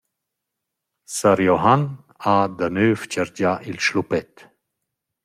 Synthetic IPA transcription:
saɾjɔɦan | ad̪anøːft͡ʃəɾd͡ʒaʔilʃlupɛt̪

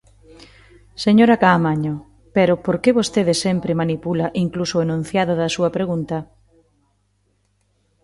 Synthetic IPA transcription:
seɲoɾɐkaːmaɲo | pɛɾʊpoɾkeβost̪eðɪsɛmpɾemanipulɐʔiŋklusʊenũn̟θjaðʊðɐsuɐpɾeɣunt̪ɐ

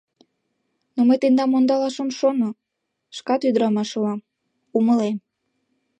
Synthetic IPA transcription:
nomejt̪end̪ɑmond̪ɑlɑʃəmʃono | ʃkɑt̪yd̪əɾɑmɑʃlɑm | uməlem

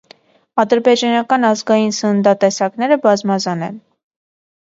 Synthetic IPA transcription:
ɑd̪əɾbɛd͡ʒɑnɑkɑnɑzɡɑjinsənənd̪ɑt̪ɛsɑknɛɾəbɑzmɑzɑnɛ̰n

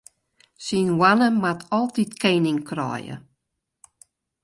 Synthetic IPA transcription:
sinwanəmatʰɔlˠtitkeːnɪŋkʰrɔ̰jə̰

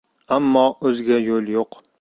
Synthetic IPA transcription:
amːɒːɵzɡʲajolˠjoq

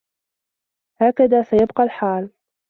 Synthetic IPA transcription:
haːkaðaːsajabqɑlħaːl

